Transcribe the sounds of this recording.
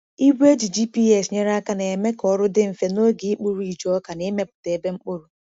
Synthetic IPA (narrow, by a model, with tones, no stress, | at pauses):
i˦ɡʷe˦d͡ʒi˨d͡ʒi˦pi˦ɛ˦˨sɲe˦ɾa˦ka˦na˨e˨me˦kɔ˦ɾʊ˦dɪ˦m̩˨fe˨no˦ɡi˨i˦k͡pu˦ɾu˦i˨d͡ʒɔ˦ka˨ne˦me˦pʊ˨te˨e˨be˦ŋ͡m̩˦k͡po˦ɾu˨